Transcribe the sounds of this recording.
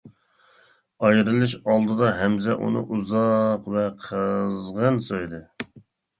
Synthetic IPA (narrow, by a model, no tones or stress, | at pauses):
ɑjɾɨlˠɨʃɑlˠd̪ɨd̪ɑɦɛmzɛʔṵnɨ̰ʔuzɑqvɛqʰəzʁənsojd̪ɨ